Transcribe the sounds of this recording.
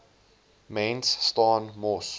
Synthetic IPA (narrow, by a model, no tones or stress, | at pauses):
mẽnsːtɔːnmɔs